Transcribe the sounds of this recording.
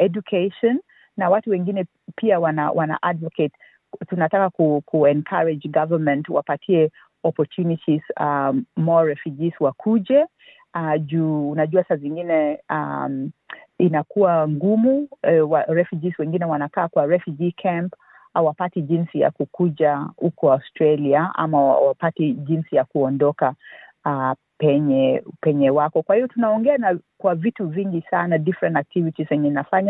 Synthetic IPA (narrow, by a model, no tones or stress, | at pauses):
ɛd͡ʒukʰeʃɔnː | awatuwɛŋɡinɛ | piawana̰wana̰ʔadvɔket | tunatakakukʰuɛnkʰaɹɛd͡ʒɡavəmɛ̃ntwapatʰiɛ | ɔpɔtunitʰiz̥amɔɹɛfjud͡ʒizwakʰud͡ʒɛ | ad͡ʒuːnaʄuasaziŋɡinɛam | inakuwaŋɡumuɛwaɾɛfjud͡ʒiswɛŋɡinɛwanakaːkwaɾɛfjud͡ʒikʰamp | awapatiʄinsija̰kukuʄahukɔawstɾaliaa̰maa̰wapatiʄinsijakuɔndɔka | a | pɛɲɛpɛɲɛwakɔkwahivɔtunaɔŋɡɛanakwavituviŋɡisanadifɾɛ̃ntak̚tivitizwɛɲɛinafaɲa